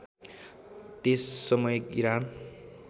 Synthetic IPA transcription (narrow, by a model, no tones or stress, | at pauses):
t̪esːʌmʌjkiɾan